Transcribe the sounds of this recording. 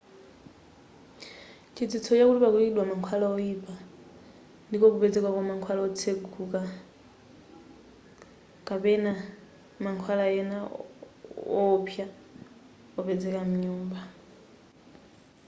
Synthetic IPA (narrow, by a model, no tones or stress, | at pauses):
t͡ʃʰid͡zit͡sʰɔt͡ʃakutiβakuiɗwamaŋkʰwalaɔipa | ndikɔkupɛd͡zɛkwakamaŋkʰwalaɔt͡sʰeɡʱuka | kapɛna | maŋkʰwalajɛna | ɔpʰja | ɔpɛd͡zɛkam̩ɲuːmba